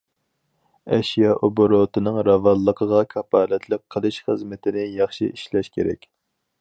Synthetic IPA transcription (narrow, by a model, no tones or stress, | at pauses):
ɛʃijɑʔoboɾot̪ɨnɨŋɾɑvɑlˠːəqʰəʁɑkʲʰɑpʰɑːlɛt̪ʰlˠɨp̚qʰəlˠɨʃχəzmɪt̪ʰɪnɪjɑχʃḭʔiʃlɛʃkʲeɾɛ̰kʲ